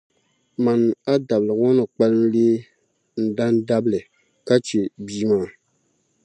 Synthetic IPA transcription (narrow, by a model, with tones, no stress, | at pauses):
ma˨n˨a˦da˨blɨ˨ŋɔ˦nɨ˨k͡pa˦lɨ˦n̩˦le˦ | n̩˨da˦nda˦blɨ˨ | ka˦t͡ʃe˨biː˦maː˨˦˨